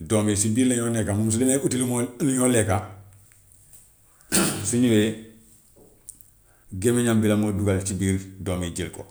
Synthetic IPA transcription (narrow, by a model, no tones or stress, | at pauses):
doːmisibiːɾleɲonekamumsudeneutilumonɲoleka | siɲiwe | ɡemeɲambilamoduɡalt͡ʃibiːɾdoːmiɟilko̰